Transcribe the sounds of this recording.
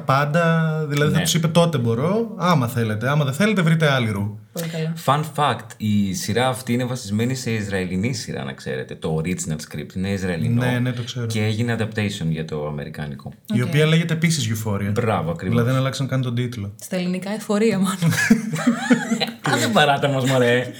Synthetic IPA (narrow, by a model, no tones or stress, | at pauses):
pɐnd̪ɐðilɐðinɐtu̥sipɐt̪o̞t̪e̞bo̞ɾo̞ɐmɐθe̞le̞t̪eɐmɐðeθele̞t̪evɾit̪e̞ɐliɾu | olkɐlɐfɐnfɐkt̪isiɾɐːft̪iine̞vɐsizme̞nise̞izɾɐelinisiɾɐ̰nɐ̰kse̞̰ɾe̞t̪e̞t̪o̞ːɾid͡znɐlskɾḭp̚t̪ine̞izɾɐelḭnoenet̪o̞kse̞ɾoceeʝineɐd̪ɐp̚t̪ejsio̞nʝɐt̪o̞ɐme̞ɾikɐ̰niko̞̰io̞piɐleʝet̪eːpisizʝufoɾiɐbɾɐvoɐkɾivilɐðinɐlɐksɐnkɐnit̪od̪it̪ulost̪ɐelinikɐefo̞ɾiɐmɐlo | pɐɾɐt̪ɐmozmɐɾe